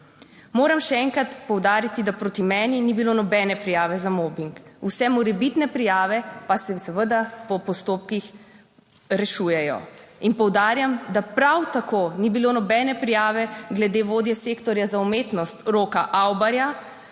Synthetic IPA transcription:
moːɾamʃɛɛŋkɾat̪pɔwd̪aːɾit̪id̪apɾoːt̪imɛːninibilonɔbɛːnɛpɾijaːʋɛzamoːbiŋkusɛmɔɾɛbit̪nɛpɾijaːʋɛpasɛsɛʋəd̪apɔpɔst̪oːp̚kix | ɾɛʃuːjɛjɔ̰inpɔwd̪aːɾjamd̪apɾawt̪akonibilonɔbɛnɛpɾijaːʋɛɡlɛd̪eʋoːd̪jɛseːkt̪ɔɾjazaumeːt̪nɔst̪ɾoːkaʔawbaɾja

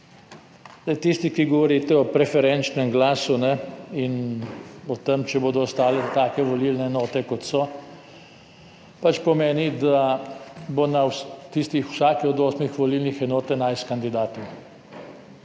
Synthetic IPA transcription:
zd̪ɐjt̪ist̪ikiɡɔʋɔɾit̪ɛɔpɾɛfɛɾɛnt͡ʃnɛmɡlaːsunɛin | ɔt̪əmt͡ʃɛboːd̪ɔɔst̪aːlɛt̪aːkɛʋɔlilnɛːnɔːt̪ɛkɔt̪sɔ | pat͡ʃpɔmeːnid̪a | bonawst̪ist̪ixwsaːkɛɔd̪oːsmixʋɔlilnixɛnɔːt̪ɛnajskand̪id̪aːt̪ɔ

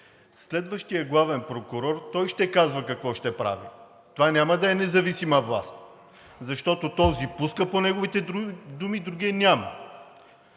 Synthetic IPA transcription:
slɛd̪vəʃt̪ijəɡlˠavɛnpɾokʊɾɔɾt̪ɔjʃt̪ɛkazvəkɐkvɔʃt̪ɛpɾa̰vḭ | t̪ovanʲamɐd̪ɐɛnɛzɐvisimɐvlˠa̰st̪ | zɐʃt̪ɔt̪ot̪ɔzipuskəponɛɡovit̪ɛd̪umid̪ɾuɡʲiɛnʲamə

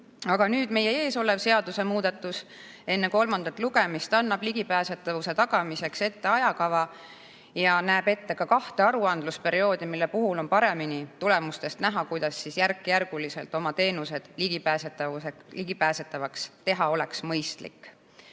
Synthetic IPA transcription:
ɑɡ̥ɑnyːd̪̥me̞je̞e̞ːso̞le̞vse̞ɑd̪̥use̞muːd̪̥ɑt̪ːˑus | e̞nːe̞ko̞lmɑnd̪̥ɑt̪ˑluɡ̥emist̪ɑnːɑb̥liɡ̥ipæːset̪ːˑɑvuse̞t̪ɑɡ̥ɑmise̞kse̞t̪ːe̞ɑjɑkɑvɑ | jɑnæːbe̞t̪ːe̞kɑkɑht̪eɑɾuɑnd̪̥luspe̞ɾio̞ːd̪̥imilːepuɦulo̞npɑɾe̞minit̪ule̞must̪e̞st̪næɦɑkujd̪̥ɑsːisjærkːijærɡ̥uliselt̪ˑo̞mɑt̪e̞ːnuse̞d̪̥liɡ̥ipæːset̪ːˑɑueliɡ̥ipæːset̪ːˑɑvɑkst̪e̞ɦɑo̞le̞ksmɤjst̪lḭkː

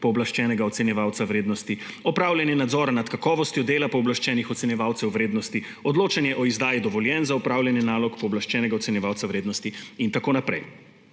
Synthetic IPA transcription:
pɔɔblaʃt͡ʃɛːnɛɡaɔt̪sɛnjɛʋaːwt̪sawɾeːd̪nɔst̪i | ɔpɾaːwlʲjɛnjɛnad̪zɔɾanat̪kakɔːʋɔst̪jɔd̪eːlapɔɔblaʃt͡ʃɛːnixɔt̪sɛnjɛʋaːwt̪sɛwʋɾeːd̪nɔst̪i | ɔd̪loːt͡ʃanjɛʔɔizd̪aːjid̪ɔʋɔljɛnzaupɾaːwlʲjɛnjɛnaːlɔkpɔɔblaʃt͡ʃɛːnɛɡaɔt̪sɛnjɛʋaːwt̪sawɾeːd̪nɔst̪iint̪akoːnapɾɛ̰j

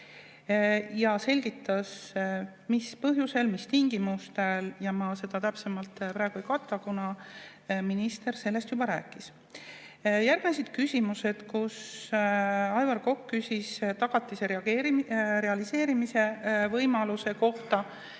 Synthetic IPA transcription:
jɑse̞lʲɡ̥it̪ːˑɑs | mispɤɦjuse̞lmist̪iŋɡimust̪eljɑmɑse̞d̪̥ɑt̪æpsemɑlt̪pɾæːˑeɡ̥uejkɑt̪ːˑɑkunɑ | minist̪e̞rse̞lːe̞st̪jubɑɾæ̰ːkːˑis | jærɡ̥nes̬id̪̥kysʲimuse̞d̪̥kus | ɑjvɑrko̞kːysʲist̪ɑɡ̥ɑt̪ːˑise̞ɾeɑɡeːɾiɾe̞ɑlise̞ːɾimise̞vɤjmɑluse̞ko̞ht̪ɑ

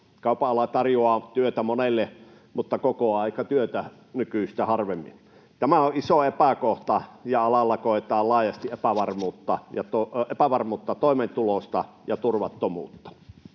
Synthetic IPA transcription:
kɑˑupɑɑlɑt̪ɑrjoɑːt̪yøt̪æmonelːe | mut̪ːɑkokoɑˑikɑt̪yøt̪æ | nykyst̪æhɑrʋemːḭn | t̪æmæoʔisoepækoht̪ɑjɑɑlɑlːɑkoet̪ɑːlɑːjɑst̪iʔepæʋɑrmuːt̪ːɑjɑt̪oepæʋɑrmuːt̪ːɑt̪oˑiment̪ulost̪ɑ | jɑt̪urʋɑt̪ːomṵːt̪ːɑ̥

